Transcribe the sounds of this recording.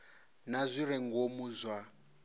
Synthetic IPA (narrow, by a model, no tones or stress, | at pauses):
nazʷiɾɛŋɡomuːzʷwa